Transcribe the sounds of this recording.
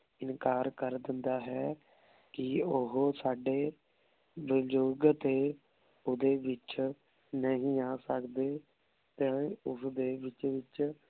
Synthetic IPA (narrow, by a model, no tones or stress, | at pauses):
ɪnkaːɾkəɾd̪ɪnd̪aːɦɛː | kɪʊɦoːsaːɖeː | bəd͡ʒoɡt̪eː | ʊd̪eːʋɪt͡ʃ | nəɦĩːaːsəkd̪eː | t̪ɛ̃ːʊsd̪eːʋɪt͡ʃʋɪt͡ʃ